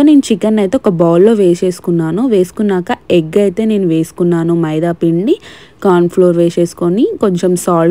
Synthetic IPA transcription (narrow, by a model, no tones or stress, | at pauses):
one̞ːnut͡ʃikɐnːɐjt̪eɔkɐbaːlːo̞ːʋe̞ːse̞ːsu̥kunːaːnuʋe̞ːsu̥kunːaːkɐeɡɐjt̪e̞ːne̞ːnuʋe̞ːsu̥kunːaːnumɐjd̪aːpiɳɖi | kaːnpʰlo̞ːɾʋe̞ːʃe̞ːsu̥konikoɲt͡ʃemsaː